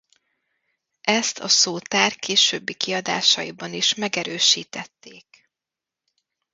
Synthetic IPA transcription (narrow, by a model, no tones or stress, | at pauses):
ʔɛst̪ʰɒ̰soːt̪aːrkeːʃøːbːikiɒd̪a̰ːʃɒjibɒniʃmɛɡɛɾøːʃiːt̪ɛt̪ːeːk